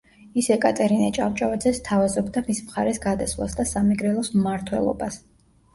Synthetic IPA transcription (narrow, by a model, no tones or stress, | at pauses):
isɛkʼat̪ʼɛɾinɛt͡ʃʼavt͡ʃʼavad̪zɛst̪ʰavazɔbd̪amismχa̰ɾɛsɡad̪aswlˠa̰sd̪asamiɡɾɛlˠɔsmmaɾt̪ʰwɛ̰lˠɔ̰bas